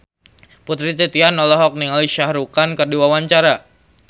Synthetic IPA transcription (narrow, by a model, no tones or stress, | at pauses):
put̪ɾit̪ɛt̪ianɔlɔɦɔk̚niŋaliʃahɾukankərduwawaɲt͡ʃaɾa